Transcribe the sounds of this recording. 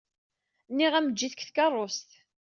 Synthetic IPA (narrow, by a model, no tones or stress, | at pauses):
nːiʁæməd͡ʒːiθəkθkɑrˤːost̪